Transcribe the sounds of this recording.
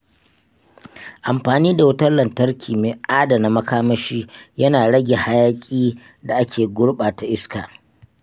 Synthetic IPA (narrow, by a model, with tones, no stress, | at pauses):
ʔa˨mɸaː˨niː˦da˨wʊ˦tɐ˦nlɐ˨ntɐ˦rkʲʰiː˨meː˨ʔaː˦da˨na˨mɐ˦kaː˦mɐ˦ʃiː˦jɐ˦naː˨ɽɐ˦ɡʲe˨ha˦jaː˦kʲʼiː˦ | da˨ʔa˦kʲeː˨ɡʷʊ˦ɽɓaː˨ta˦ʔɪ˦skaː˨ʔ